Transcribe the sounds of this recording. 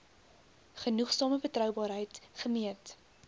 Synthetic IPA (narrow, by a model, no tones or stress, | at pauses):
χənuχsɑːməbətrœwbɑːɾɦəjtχəmiət